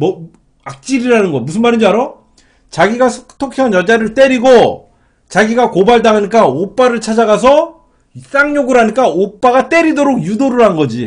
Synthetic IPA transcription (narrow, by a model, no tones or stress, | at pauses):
mʌ | ak̚t͡ɕ͈iɾiɾanɯnɡʌmusʰɯnmaɾiɲd͡ʑiaɾo | t͡ɕaɡiɡasʰtʰokʰeanjʌd͡ʑaɾɯɭt͈e̞ɾiɡo | t͡ɕaɡiɡakobaɭdaŋɦaɲik͈aop͈aɾɯɭt͡ɕʰad͡ʑaɡas̬ʰʌ | s͈aŋɲoɡɯɾɦaɲik͈aop͈aɡat͈e̞ɾidoɾok̚judoɾɯɭɦanɡʌd͡ʑi